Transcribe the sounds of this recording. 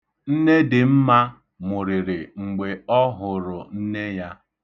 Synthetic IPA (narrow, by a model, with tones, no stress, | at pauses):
n̩˦ne˦dɪ˨m̩˦ma˦ | mʊ˨ɾɪ˨ɾɪ˨ŋ͡m̩˨ɡ͡be˨ɔ˦ɦʊ˨ɾʊ˨n̩˦ne˦ja˦